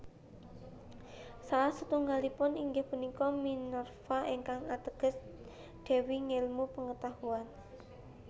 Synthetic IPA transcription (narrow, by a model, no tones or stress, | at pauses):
salasut̪uŋɡalipʊniŋɡɪhpunikɔminɔrfaʔeŋkaŋat̪əɡ̥ə̤s | d̪̥e̤wiŋelmupəŋət̪ahuan